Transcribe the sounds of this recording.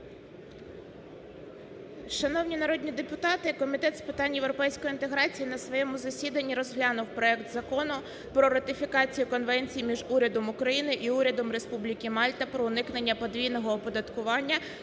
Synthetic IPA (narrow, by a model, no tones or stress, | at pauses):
ʃɐnɔwnʲinɐɾɔd̪ʲnʲid̪epʊt̪ɑt̪ɪkɔmʲit̪ɛt̪spɪt̪ɑnʲjewɾɔpɛjsʲkɔjint̪e̞ɦɾɑt͡sʲijinɐsʋɔjɛmʊzɐsʲid̪ɐnʲːiɾɔzɦlʲɑnʊwpɾɔɛkt̪zɐkɔnʊ | pɾɔɾɐt̪ɪfʲikɑt͡sʲijʊkɔnʋɛnʲt͡sʲijmʲiʒuɾʲɐd̪ɔmʊkɾɐjinɪʔiuɾʲɐd̪ɔmɾe̞spublʲikʲɪmɑlʲt̪ɐpɾɔʊnɪknenʲːɐpɔd̪ʋʲijnɔɦɔːpɔd̪ɐt̪kʊʋɑnʲːɐ